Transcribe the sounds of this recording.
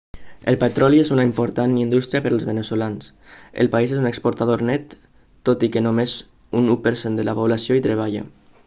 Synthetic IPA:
ə̰lˠpət̪ɾɔliezunaimpoɾt̪anind̪ust̪ɾiapəɾaəlˠzβənəsulans | ə̰lˠpaizezunəkspoɾt̪aðoɾnɛt̪ː | ot̪ikənomez | unupəɾsend̪əlapoβlasioit̪ɾəβ̞aʎə̰

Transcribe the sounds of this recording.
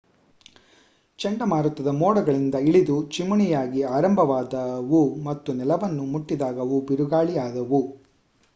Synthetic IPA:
t͡ʃɛɳɖɐmaːɾut̪ːɐd̪ɐmɔːɽɐɡɐɭind̪ɐiɭid̪ut͡ʃimuɳijaːɡiaːɾɐmbʱɐʋaːd̪ɐʋumɐt̪ːunɛlɐʋɐnːumuʈːid̪aːɡɐʋubiɾuɡaːɭijaːd̪ɐʋu

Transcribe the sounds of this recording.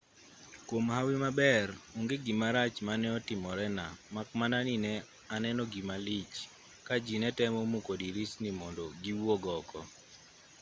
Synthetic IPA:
kwomhawɪmabɛruŋɡeɡimaɾat͡ʃmanɛɔtɪmɔɾɛnamakmananinɛ | anɛnɔɡimalit͡ʃ | kad͡ʒinɛtɛmɔmukodiɾisnimɔndɔɡiwɔɡɔkʰɔ̰

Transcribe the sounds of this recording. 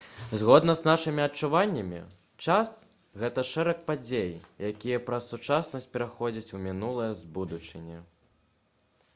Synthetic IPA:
zɣɔd̪nɐznaʂɨmʲiɐtt͡ʂuvanʲːɐmʲḭ | t͡ʂas | ɣɛt̪ɐʂɛɾɐk̚pad͡zʲejjakʲijɐpɾɐsːut͡ʂasnɐsʲt͡sʲpʲɛɾaxɔd͡zʲɐt͡sʲumʲinulˠɐjɐzbud̪ut͡ʂɨnʲɛ

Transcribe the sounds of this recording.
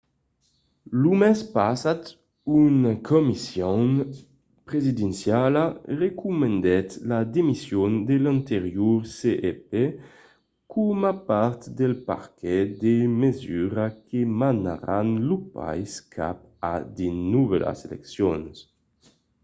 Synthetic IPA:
lumɛspasat̪ | unakʰɔmisjon | pɾezid̪ɛnsjalarekumend̪ɛt̪lad̪emisjond̪elant̪eɾjuɾseʔepe | kʰumapaɾt̪d̪elpa̰ɾkɛd̪emezyɾakemana̰ɾanlupa̰jskʰa̰p | a̰d̪inuvɛla̰selɛ̰ksjons

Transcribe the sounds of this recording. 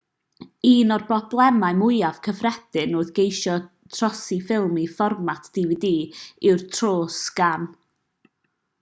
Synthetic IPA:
iːnɔrbɔblˠɛmaɨmʊɨav̥kʰəfrɛd̥ɪnʊːðɡejʃɔ | tʰrɔsifɪlˠmifɔrmatʰd̥ividiːɪwrtʰroːsɡ̥an

